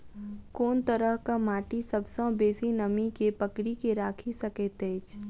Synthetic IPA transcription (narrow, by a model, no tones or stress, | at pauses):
koːnt̪əɾəɦkamaːʈisəbsãbeːsinəmikepəkɾikeɾaːkʰisəkeːt̪eːt͡ʃ